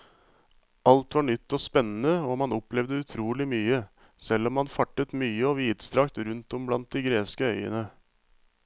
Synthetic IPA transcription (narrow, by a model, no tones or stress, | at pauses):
ɑlt̪ʋɑɳʏt̪ːɔspɛnːən̩əoːmɑnɔplɛʋd̪əʉt̪ʰɾuːlɪmyːə | sɛlːɔmhɑnfɑʈːət̪myːəɔʋiːd̪st̪ɾɑkt̪ɾʉnt̪ɔmblɑnt̪̚d̪ɪɡɾeːskəœʏə̰nə